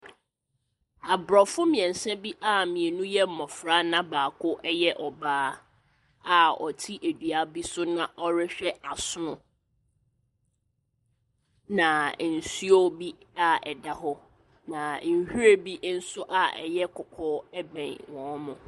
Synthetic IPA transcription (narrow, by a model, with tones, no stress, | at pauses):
a˨bɾɔ˨fʊ˦mĩ˨ɛ̃˨n˨sɛ˦bi˦ʔa˦mĩ˨e˨nũ˦jɛ˦m̩˨mɔ̃˨fɾa˦nã˦baː˨kʰʊ˦ʔɛ˦jɛ˦ʔɔ˨baː˦ | a˨ɔ̰˨tʰi˦ʔe˨dɥa˦bi˦sʊ˦nã˨ʔɔ˦ɾɪ˦ɕᶣɛ˦ʔa˨sʊ˦nʊ̃˨ | nã˨n̩˨si˦ɔ˦bi˦ | a˦ɛ˨da˦ɦɔ˦ | nã˨n̩˨hu˦ɾe˦bi˦n̩˦sʊ˦ʔa˦ɛ̰˨jɛ˦kʰʊ˨kʰɔː˦ɛ˦bɛ̃˨nwɔ̃˨mʊ̃˨